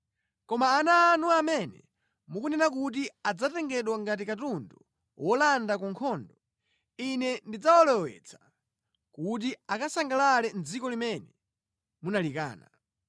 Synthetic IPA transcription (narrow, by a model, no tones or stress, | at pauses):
kɔmaːnaːnuamɛnɛ̰ | mukunɛnakut̬iad͡zatɛŋɡɛɗwaŋɡat̬ikatundɔ | wʔɔlandakuŋkʰɔːndɔ | inɛndid͡zawɔlɛwɛ̰t͡sʰḁ | kut̬iakasaŋɡalalɛnd͡zikɔlimɛnɛ | munalika̰ːna̰